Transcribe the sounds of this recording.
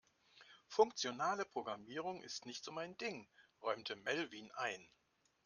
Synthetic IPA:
fʊŋkt͡sjonaːləpʁ̥oɡʁamiːʁ̞ʊŋʔɪ̰stnɪçtsʊmaɪndɪŋʁɔʏmtʰəmɛlviːnʔaɪn

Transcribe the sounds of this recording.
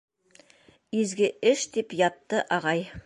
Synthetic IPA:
ezɡʲɪɪʃd̪epjɑt̪ːəʔɑʁɑj

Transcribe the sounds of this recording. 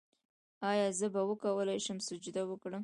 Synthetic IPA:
ɑjɑzəbawəkawəlajʃəmsʊd͡ʒud̪awəkɽə

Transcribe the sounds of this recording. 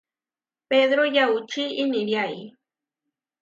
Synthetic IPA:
ped̪ɾojawt͡ʃiːnɪɾjaj

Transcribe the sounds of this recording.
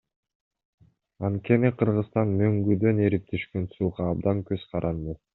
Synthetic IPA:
ɑnt̪̚ke̞niqʰɯɾʁɯst̪ɑnmø̞ŋɡyd̪ø̞ne̞ɾip̚t̪ʰyʃkønsuːʁɑːb̚d̪ɑŋkø̞z̥qʰɑɾʔɑnd̪ɯ

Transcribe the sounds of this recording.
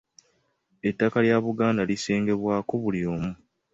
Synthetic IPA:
etːakaljaːβuɡaːndalise̞ːŋɡe̞βwaːkoβulijo̞ːmu

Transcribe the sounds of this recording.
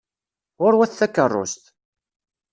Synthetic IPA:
ʁʊɾwæθθækːərˤːʊ̰st̪

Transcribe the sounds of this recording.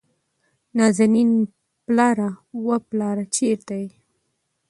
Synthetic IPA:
nɑzanin | plɑɾawəplɑɾat͡ʃeɾt̪aji

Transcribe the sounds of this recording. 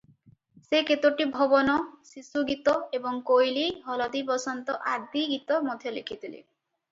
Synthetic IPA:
seket̪oʈibʱɔbɔnɔsisuɡit̪ɔebɔŋkojliɦɔlad̪ipɔsɔnt̪ɔʔad̪iɡit̪ɔmɔd̪ʱjɔlḛkʰit̪ʰilḛ

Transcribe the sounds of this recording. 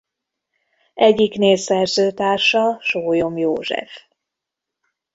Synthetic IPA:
ɛɟːikneːsɛrzøːt̪aːrʃɒʃoːjomjoːʒɛ̰f

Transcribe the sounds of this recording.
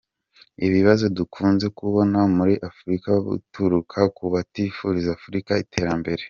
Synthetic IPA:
iβiβazo̞dukʰuːnze̞kuβo̞namuɾiʔafuɾikaβṵtuɾukʰakuβatifuɾizaːfuɾikaitʰe̞ɾambe̞ɾe̞

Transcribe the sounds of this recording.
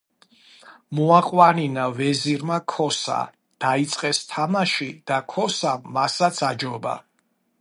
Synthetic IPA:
mɔaqʼwaninavɛziɾmakʰɔsa̰ | d̪̥ait̪sʼqʼɛst̪ʰamaʃid̪̥akʰɔsaːasat̪sʰad͡ʒɔba̰

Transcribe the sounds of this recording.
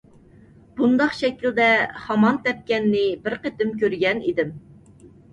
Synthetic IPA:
b̥und̪ɑqʃɛkʲild̪ɛhɑmɑnt̪ɛp̚kʲɛnːɪbɪɾqet̪ɪmkʲʰøɾɡʲɛnḭd̪ɪm

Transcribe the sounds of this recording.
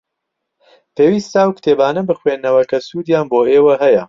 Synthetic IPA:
pʰeːwiːst̪awkt̪ʰeːbaːnɐbɨxweːnːɐwɐkʰɐsuːd̪jaːnboːeːwɐɦɐjɐ

